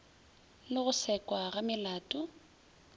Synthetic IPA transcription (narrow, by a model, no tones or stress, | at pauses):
lɪɣʊsɛkʼwaɣamɪlaːtʼʊ